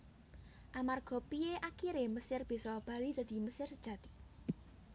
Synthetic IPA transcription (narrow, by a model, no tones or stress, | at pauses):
ʔamarɡ̥ɔ̤pieʔakiɾeməsɪrb̥isɔb̥ä̤lid̪̥ä̤d̪̥i̤məsɪrsəd̥ʒ̥ä̤t̪i̥